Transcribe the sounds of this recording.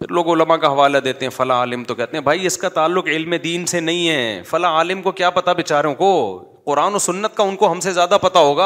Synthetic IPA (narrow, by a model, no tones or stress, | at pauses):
pʰɪɾloːɡʊləmãkaɦɐʋaːlad̪eːt̪eɦɛ̃fɐlaaːlɪmt̪okɛɦt̪eɦɛ̃bʱaːiɪskat̪aːlːʊqɪlmẽd̪iːnsenɐɦĩɦɛːfɐlaaːlɪmkokjaːpɐt̪abɪt͡ʃaːɾjõko | qʊɾaːnosʊnːət̪kaʊnkoɦɐmsezjaːd̪apɐt̪aɦoːɡaː